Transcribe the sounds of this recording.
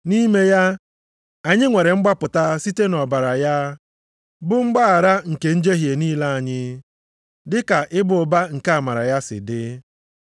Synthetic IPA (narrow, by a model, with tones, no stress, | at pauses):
ni˦me˦ja˦ | a˨ɲɪ˦ŋʷe˨ɾe˨ŋ͡m̩˦ɡ͡ba˦pʊ˨ta˦si˦te˦nɔ˨ba˨ɾa˨ja˦ | bʊ˦ŋ͡m̩˦ɡ͡ba˦a˨ɾa˦ŋ̩˨ke˨n̩˦d͡ʒe˦ɦje˨niː˦la˦a˨ɲɪ˦ | dɪ˦ka˨ʔɪ˦bʊ˨ba˦ŋ̩˨ka˦˨a˨ma˨ɾa̰˨ja˦sɪ̰˨dɪ˦